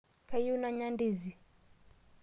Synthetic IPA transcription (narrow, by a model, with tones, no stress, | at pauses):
kʰa˦ju˦naɲa˦ndi˨zi˨